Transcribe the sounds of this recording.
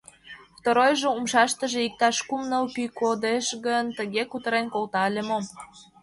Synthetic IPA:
ft̪əɾojʒeumʃɑʃt̪ə̆ʒĕik̚t̪ɑʃkumnəlkykod̪eʃɣənt̪əɣekut̪ə̆ɾenkolt̪ɑəlʲemom

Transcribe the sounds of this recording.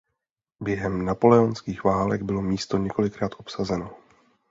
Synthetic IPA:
bjɛɦɛmnapo̞lɛonskiːxvaːlɛɡbɪlo̞miːst̪o̞ɲɛko̞lɪkɾaːt̪ʔo̞psazɛno̞

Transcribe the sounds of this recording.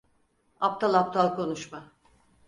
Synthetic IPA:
ap̚t̪ʰalˠap̚t̪ʰalˠkʰo̞nuʃma

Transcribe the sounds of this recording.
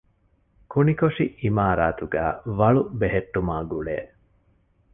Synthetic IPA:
kunikoʂiimaːɾaːt̪uɡæːʋɐɭubeɦeʈːumaːɡuɭḛː

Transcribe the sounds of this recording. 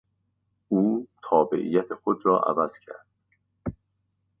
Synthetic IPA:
uːt̪ʰɒːbe̞̰ʔḭjæt̪ʰexod̪rɒːʔæ̰væz̥cʰæ̰ɾd̪̥

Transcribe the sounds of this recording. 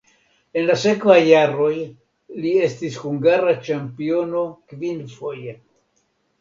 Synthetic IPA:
e̞nlase̞kvajːaɾo̞j | lie̞stishuŋɡaɾat͡ʃampio̞no̞kvinfo̞je

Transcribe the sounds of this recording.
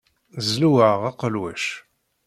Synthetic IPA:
zluwəʁɑqəlwæʃ

